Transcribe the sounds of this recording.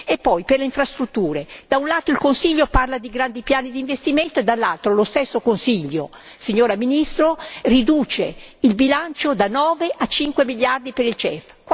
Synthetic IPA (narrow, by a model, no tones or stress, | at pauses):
epːɔjperleiɱfɾast̪ɾut̪ːuːɾed̪aunlaːt̪oilkonsiʎːoparlad̪iɡɾand̪ipjaːnid̪iːɱvest̪iment̪oed̪alːalt̪ɾolost̪esːokonsiʎːo | siɲːoːɾaminist̪ɾorid̪uːt͡ʃeilbilant͡ʃod̪anɔːveʔat͡ʃiŋkwemiʎːard̪ipeɾilt͡ʃɛf | k